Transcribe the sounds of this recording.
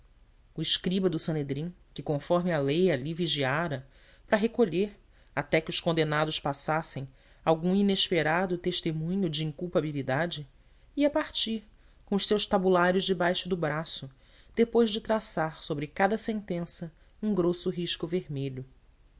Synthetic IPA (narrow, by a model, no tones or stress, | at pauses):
ʊɪʃkɾibɐd̪ʊsɐ̃ned̪ɾĩ | kɪkõfɔɾmɪalejaliviʒiaɾɐ | pɾɐɦekoʎeɾ | at̪ɛkɪʊʃkõnd̪enad̪ʊʃpasasẽj̃ | awɡũineʃpeɾad̪ʊt̪eʃt̪emũɲʊd͡ʒiĩŋkuwpabilid̪ad͡ʒɪ | iɐpaɾt͡ʃiɾ | kõʊʃsewʃt̪abulaɾjʊzd͡ʒɪbajʃʊd̪ʊbɾasʊ | d̪̥epojʒd͡ʒɪt̪ɾasaɾsobɾɪkad̪ɐsẽnt̪ẽsɐ | ũɡɾosʊɦiʃkʊveɾmeʎʊ